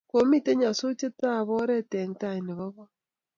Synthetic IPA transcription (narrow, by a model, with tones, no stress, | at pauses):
ko˨˦mi˦˨te˦ɲa˨so˦t͡ʃe˦ta˦˨βɔ˦ɾɛ˦tɛ˨n˦ta˦˨i˨ne˨βɔ˦βɔ˦